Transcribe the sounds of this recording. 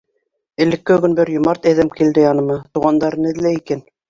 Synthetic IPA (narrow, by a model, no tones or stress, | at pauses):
ɘ̆lɘ̆kːɘɡɵ̆nbɘɾjŏmɑɾt̪æðæmkild̪ɘjɑnɤ̆mɑt̪uʁɑnd̪ɑɾnɘ̆ðlæikæn